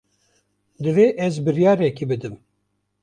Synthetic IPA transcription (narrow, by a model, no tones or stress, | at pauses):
d̪ɨveʔɛzbɨɾjɑːɾɛkibɨd̪ɨm